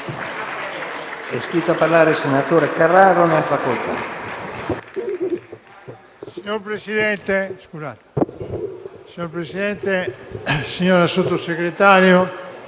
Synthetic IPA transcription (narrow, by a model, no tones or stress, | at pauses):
ɛskɾit̪oapaɾlaɾesenat̪oɾekaraɾoneafakolt̪a̰ | siɲoɾpɾesiðɛnt̪eskuzat̪o̥ | siɲoɾpɾesiðɛnt̪e | siɲoɾasut̪osekɾet̪aɾjo